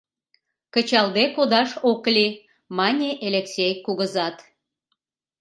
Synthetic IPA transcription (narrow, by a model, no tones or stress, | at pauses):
kə̆t͡ɕɑld̪ekod̪ɑʃoklʲi | mɑnʲeʔelʲeksʲejkuɣəzɑt̪